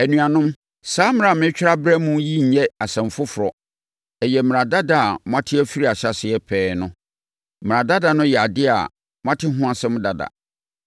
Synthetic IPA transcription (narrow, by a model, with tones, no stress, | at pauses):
æ˨nũ˨a˨nʊ̃˦m | saː˦m̃˦ɾã˨mɪ̃˦t͡ɕᶣɪ˦ɾa˦bɾɛ˦mũ˦ji˦ɲ̩˨ɲɛ˦a˨sɛ̃˨m˨fʊ˦fʊ˨ɾɔ˨ | ɛ˨jɛ˨m̃˨ɾã˨da˦da˦a˨mʊ̃˦ã˦tʰɪ˦æ˦fi˦ɾi˦a˨ɕa˨sɪ˨ɛ˦pʰɛː˦nʊ̃˦ | m˨ã˨da˦da˨nʊ̃˦jɛ˨a˨dɪ˦a̰˨ | mʊ̃˦ã˦tʰɪ˦ɦʊ̃˦a˨sɛ̃˦m̃˦da˨da̰˨